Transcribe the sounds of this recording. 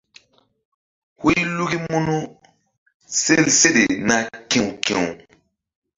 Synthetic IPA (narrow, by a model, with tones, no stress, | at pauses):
hu˦jlu˦ɡi˦mu˦nu˦ | se˦˨lse˦ɗe˨na˨kĩ˨wkĩ˨w